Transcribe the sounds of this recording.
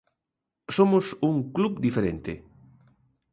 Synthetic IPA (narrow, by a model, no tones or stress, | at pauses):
somʊsuŋklubd̪ifeɾent̪ɪ̰